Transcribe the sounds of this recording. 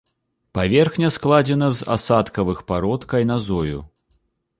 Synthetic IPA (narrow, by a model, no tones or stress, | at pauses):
pavʲɛrxnʲɐsklˠad͡zʲɛnɐza̰sat̪kɐvɨxpaɾɔt̪kɐjnazɔjṵ